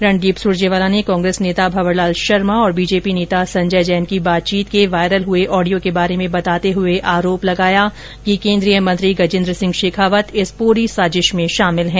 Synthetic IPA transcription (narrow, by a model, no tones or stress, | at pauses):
ɾɐ̃ɳɖɖiːpsʊɾd͡ʒeʋaːlanekɔ̃ːŋɡɾeːsneːt̪abʱɐʋəɾlaːlʃɐɾmaɔːɾbiːd͡ʒeːpineːt̪asɐ̃ɲd͡ʒəjd͡ʒɛːnkibaːt̪̚t͡ʃiːt̪keʋaːɪɾəlɦʊeʔɔːɖijokebaːɾemẽbɐt̪aːt̪eɦʊeʔaːɾoːplɐɡaːja | kikẽːnd̪ɾijəmɐ̃nt̪ɾiɡɐd͡ʒɪ̃nd̪ɾəsɪ̃ŋɡʃeːkʰaːʋət̪ɪspuːɾisaːd͡ʒɪʃmẽʃaːmɪlɦɛ̃ː